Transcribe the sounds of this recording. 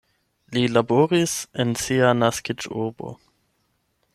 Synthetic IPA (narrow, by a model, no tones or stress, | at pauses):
lilaboɾisensianaskid͡ʒubo̰